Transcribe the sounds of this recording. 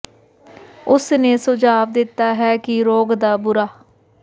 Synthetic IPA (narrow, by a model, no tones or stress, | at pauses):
ʊsneːsʊd͡ʒaːʋd̪ɪt̪ːaːɦɛːkɪɾoːɡd̪aːbʊɾaː